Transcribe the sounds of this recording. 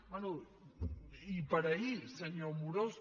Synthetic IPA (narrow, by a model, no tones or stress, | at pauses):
manu | ipaɾaiseɲoɾmuɾos